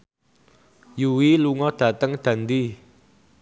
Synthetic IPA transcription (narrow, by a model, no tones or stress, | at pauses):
juwiluŋɔd̪̥ä̤t̪əŋd̪̥a̤nd̪i